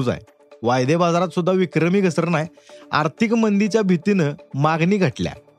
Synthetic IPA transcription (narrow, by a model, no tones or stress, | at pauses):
d͡za̰j | ʋajd̪ebad͡zaɾat̪sud̪ʱːaʋikɾəmiːɡʱəsəɾnaj | a̰ɾt̪ʰikmənd̪it͡ɕjabʱit̪inəmaɡniːɡʱəʈlja̰